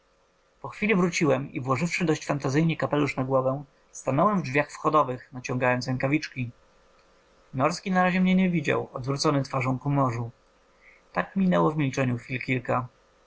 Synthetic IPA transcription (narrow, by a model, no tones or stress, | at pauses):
pɔxfʲilʲivɾut͡ɕiwɛmḭvwɔʐɘfʂɘd̪ɔɕt͡ɕfant̪azɘjɲikapɛluʂnaɡwɔvɛ̃ | st̪anɔwɛmvdvʲjaxfxɔd̪ɔvɘxnat͡ɕɔ̃ŋɡajɔnsɛŋkavʲit͡ʂkʲi | nɔɾskʲinaɾaʑɛmɲɛɲɛvʲid͡ʑa̰wɔd̪vɾut̪sɔnɘt̪faʐɔ̃w̃kumɔʐu | t̪akmʲinɛwɔvmʲilt͡ʂɛɲuxfʲilkʲilka